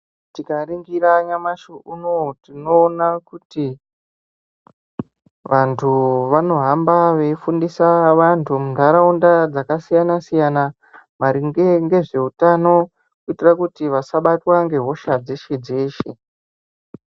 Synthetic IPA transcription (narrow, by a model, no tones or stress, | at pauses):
tikariŋɡiɾaɲamaʃoʔunotino̞ːnakuti | ʋantʰuʋano̞ɦambaʋe̞ifundisaʋantʰumundaɾaundad͡zakasijanasijana | maɾiŋeŋɡe̞ʐe̞utano̞ | kuitirakutiʋasaɓatwaŋɡe̞ɦo̞ʃad͡ze̞ʃed͡ze̞ːʃe̞̰